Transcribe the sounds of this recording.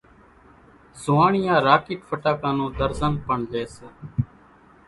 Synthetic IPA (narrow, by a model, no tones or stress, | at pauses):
zʊaːɳɪjãːɾaːkiːʈfʰəʈaːkãːnũːd̪əɾzənpəɳleːs